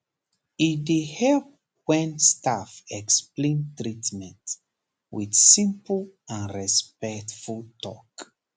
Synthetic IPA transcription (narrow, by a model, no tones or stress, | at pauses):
idehɛlp̚ | wɛ̃nstafɛksplẽntɹitmɛ̃nt | wḭdsĩmplãnɹɛspɛktfultɔk